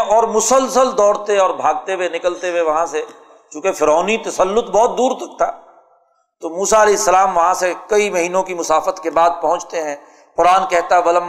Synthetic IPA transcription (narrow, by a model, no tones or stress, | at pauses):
ɔːɾmʊsəlsəld̪ɔːɽt̪eɔːɾbʱaːɡ̚t̪ewenɪkəlt̪eweʋɐɦãse | t͡ʃũːkefɪɾɔːnit̪ɐsəlːʊt̪bɔːt̪̚d̪uːɾɐk̚ʰt̪aɦɛ | t̪omuːsaɐleːɪsːəlaːmʋɐɦãsekɐimɐɦiːnõkimʊsaːfət̪kebaːd̪̚pɐɦʊ̃t͡ʃt̪eɦɛ̃ː | pʊɾaːnkɛɦt̪aɦɛbɐlə̃m